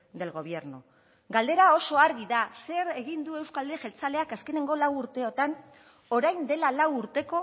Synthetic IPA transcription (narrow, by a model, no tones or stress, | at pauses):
d̪e̞lɣo̞β̞je̞ɾno | ɡald̪e̞ɾao̞so̞aɾɣiðase̞ɾe̞ɣ̞ind̪ue̞wskald̪eʝelt͡sale̞akaske̞ne̞ŋɡo̞lawuɾt̪e̞o̞t̪an | o̞ɾajnd̪e̞lalawuɾt̪e̞ko̞